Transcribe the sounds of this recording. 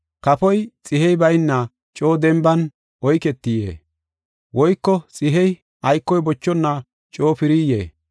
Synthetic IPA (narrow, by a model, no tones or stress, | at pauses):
kɐpɔjt͡sʼɪhɛjbɐjnːɐ | t͡ʃʼo̞ːd̪ɛmbɐn | ɔjkɛt̪ːɪjḛː | wɔjkːɔt͡sʼɪɦɛj | ʔɐjkːɔjbɔt͡ʃːɔnːɐ | t͡ʃʼo̞ːpɪɾiːjḛː